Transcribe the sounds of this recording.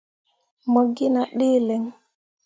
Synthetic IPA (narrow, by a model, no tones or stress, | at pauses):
moɡːinaɗilɛŋ